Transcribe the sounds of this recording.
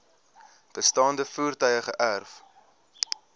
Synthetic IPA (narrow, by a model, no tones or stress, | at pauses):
b̥əstɑːndəfuːrtœjəχəʔærf